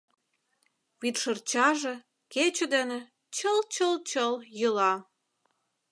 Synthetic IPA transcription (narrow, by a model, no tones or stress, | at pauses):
βit̪ʃərt͡ɕɑʒĕ | ket͡ɕə̆d̪ĕnĕ | t͡ɕəlt͡ɕəlt͡ɕəljəlɑ